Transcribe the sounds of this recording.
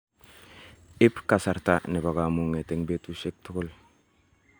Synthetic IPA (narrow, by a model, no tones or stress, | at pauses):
ipkasaɾtanibaɡamuŋeteŋbetuʃek̚tuɡul